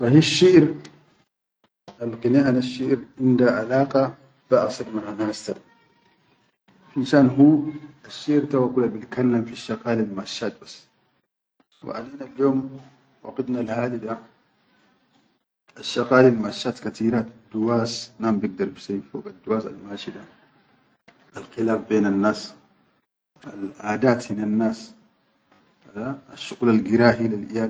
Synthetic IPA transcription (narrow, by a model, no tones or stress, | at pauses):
fahiʃːiʔɾ | alqinaʔanaʃːiʔɾʕɪnd̪aʕalaːqa | b̥aʔa̰sɑɾmaʕanaːst̪a | finʃaːnɦuːaʃːiʔɾt̪awakulːabit̪kalːamfiʃːaqaːlalmaʔaʃːaːt̪̚basː | wḭʕa̰leːnaljoːm | wa̰qad̪nalhaːd̪id̪a | ʔaʃːaqaːlilmaʃːaːt̪kat̪ʰiːɾad̪ːuwaːsnaːmbɪɡ̚d̪ɑɾˤbisajːifoːɡad̪ːuwaːsa̰lmaːʃid̪a | ʔalxilaːfbeːnanːaːs | ʔalʔaːd̪aːt̪hinanːaːs | adaaʃːʊɣuːlalɡiɾaːɦilalʔḭjaː